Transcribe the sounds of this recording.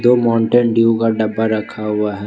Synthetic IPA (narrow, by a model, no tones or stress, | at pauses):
d̪oːmaːɳʈənɖiukaɖɐbːaɾɐkʰːaɦʊaɦɛ